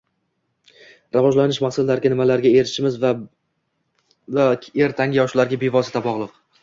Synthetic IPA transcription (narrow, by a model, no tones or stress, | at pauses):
ɾavɒʒlanɪʃmaχsɪlːaɾɡʲanɪmalaɾɡʲae̞ɾɪʃɪmɪz | ae̞ɾt̪ʰaŋʲɪjɒʃlaɾɡʲabe̞vɒsɪ̥t̪ʰabɒʁlˠɨq